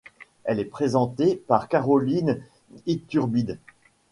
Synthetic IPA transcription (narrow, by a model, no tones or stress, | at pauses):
ɛlɛpχezɑ̃t̪epaʁkaʁɔlin | it̪yʁbid̪